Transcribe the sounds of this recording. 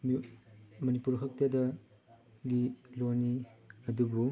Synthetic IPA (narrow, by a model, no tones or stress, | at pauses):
m | mɐnipuɾkʰɐk̚tɐdɐ | ɡilojniɐdubu